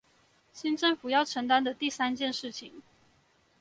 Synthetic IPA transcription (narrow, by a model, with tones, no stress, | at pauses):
ɕi˥nʈ͡ʂɤ˥˩ŋfu˨˩jɑ˥˩ʊʈ͡ʂʰə˧˥ŋt̪̬a˥nd̪ə˨t̪i˥˩sa˥nt͡ɕjɛ˥˧nʂɻ̩˥˩t͡ɕʰi˨˩ŋ